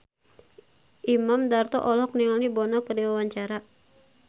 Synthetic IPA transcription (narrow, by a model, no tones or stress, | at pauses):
ʔimamdart̪ɔ̰ʔɔlɔkniŋalibɔnɔkəɾiwawaɲt͡ʃaɾa